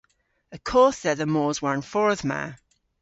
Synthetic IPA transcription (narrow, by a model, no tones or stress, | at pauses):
əkʰɔːˑsðɛðəmoːzwaɹnfɔɹðma̰